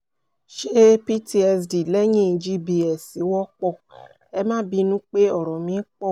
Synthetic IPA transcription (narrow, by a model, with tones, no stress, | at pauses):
ʃe˦pi˦ti˧ɛ˧sdi˨lɛ˦j̃ĩ˦˨˧d͡ʒi˦bi˧ɛ˨si˨˦wɔ˦k͡pɔ˦˨ | ɛ˧mã˦bi˧˦nũ˦k͡pe˦ɔ˦˨ɾɔ˨mĩ˨˦k͡pɔ˦˨